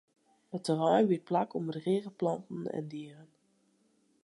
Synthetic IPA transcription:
ətərɑjʋiplakʰɔmədəreːɣəplɑntn̩ɛ̰ndiːrən

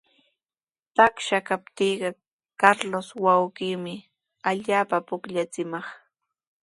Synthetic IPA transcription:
t̪akʃakap̚t̪iːɢɑ | kaɾloswawɢiːmɪ | aʎaːpapʊkʎat͡sɪmɑχ

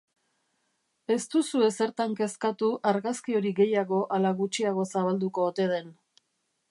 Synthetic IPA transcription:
e̞st̪usue̞se̞ɾt̪aŋke̞skat̪uʔaɾɣaskio̞ɾiɡe̞jaɣo̞ʔalaɣut͡ʃiaɣ̞o̞saβald̪uko̞ːt̪e̞ð̞e̞n

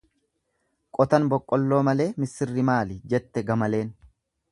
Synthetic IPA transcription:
kʼɔt̪ɐnbɔkʼːɔlːo̞ːmɐle̞ːmɪsɪrːɪmaːlɪd͡ʒɛt̪ːɛɡɐmɐle̞ːn

